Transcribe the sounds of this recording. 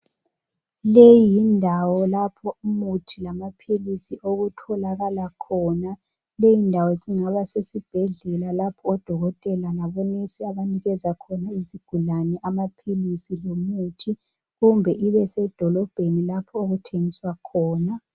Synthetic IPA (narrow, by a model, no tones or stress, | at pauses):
lejindʱawɔlapʰɔumutʰilamapʰilisiʔoɣutʰɔlaɣalakʰɔːna | lejindʱawɔziŋaβasesib̥ʱɛɮɛlalapʰɔːd̥ʱɔɣɔtʼɛlanaβɔnisiaβaniɣɛzakʰɔnaiziɡ̥ʱulanɛʔamapʰilisilomutʰi | ɣumbʱɛʔiβɛsɛd̥ʱɔlɔb̥ʱenilapʰɔoɣutʰeŋiswakʰɔːna